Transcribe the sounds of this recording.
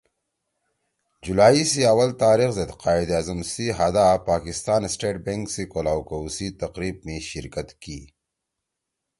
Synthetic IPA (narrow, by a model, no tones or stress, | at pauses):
d͡ʒulaːisiɐwɐlt̪aːɾixzed̪qaːid̪azɐmsiɦad̪apaːkɪst̪aːnsʈeːʈ̚beŋksikolawkɐusit̪ɐqɾiːb̚meʃɪɾkɐt̪kiː